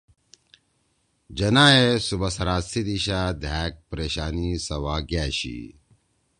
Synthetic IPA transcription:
d͡ʑɐnaːesubɐsɐɾaːsid̪iɕaːd̪ʱaːk̚pɾeːɕaːnisɐwaːɡaːɕḭ

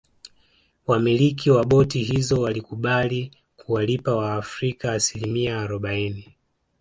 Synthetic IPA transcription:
wamilikʰiwaɓɔtiɦizɔwalikuɓali | kuwalipawaːfɾikaːsilimiaːɾɔɓaini

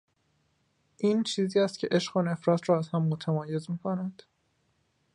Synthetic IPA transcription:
ʔiːnt͡ʃʰiːziːæst̪̚cʰe̞ʔe̞ʃɢone̞fɾɒːt̪ʰɾɒːæz̥hæmːot̪ʰæmɒːje̞zmiːkʰonæd̪̥

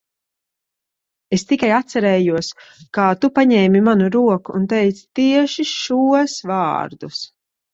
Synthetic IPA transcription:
est̪ikajat̪sɛɾɛːjuɔskaːt̪upaɲɛːmimanuɾuɔkuːnt̪ejt̪sḁt̪iɛʃiʃuɔsva̰ːɾd̪us

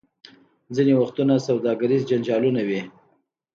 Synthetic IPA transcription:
zinewaxt̪unasawd̪ɑɡaɾizd͡ʒand͡ʒɑlunawi

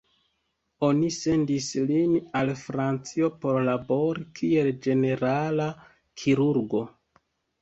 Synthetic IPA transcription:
o̞nise̞ndislinalfɾant͡sio̞po̞ɾlabo̞ɾikʰie̞ld͡ʒe̞ne̞ɾala | kʰiɾuɾɡo̞

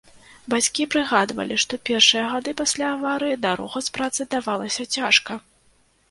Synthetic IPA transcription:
bat͡sʲkʲipɾɨɣad̪vɐ̰lʲiʂt̪ɔpʲɛrʂɨjɐɣad̪ɨpasʲlʲaːvaɾɨjid̪aɾɔ̰ɣɐspɾat̪sɨd̪avalˠɐsʲɐt͡sʲaʂkɐ

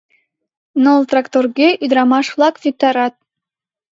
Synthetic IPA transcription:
nolˠt̪rakt̪orɡʲeʔyd̪ɾɑmɑʂflˠɑkvʲik̚t̪ɑɾɑt̪̚

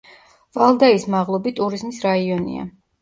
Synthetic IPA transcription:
valˠd̪aismaʁlˠɔbit̪ʼuɾizmisɾaiɔnḭa̰

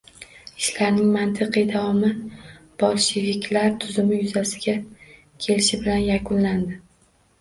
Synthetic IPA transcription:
ɪʃlaɾnɪŋmant̪ʰɨqʰɨjd̪avɒmɪb̥ɒlˠʃɪvʲɪkʲʰlaɾt̪ʰʊzɪmɪjʊzasɪɡʲa | kʲʰe̞lɪʃɪbɪlanjakʰʊnland̪ɪ

